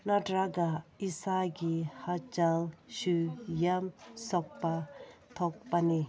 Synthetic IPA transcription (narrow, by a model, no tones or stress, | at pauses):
nadɾaɡaisaɡihat͡ʃaŋʃujamsɔk̚pat̪ʰɔk̚pani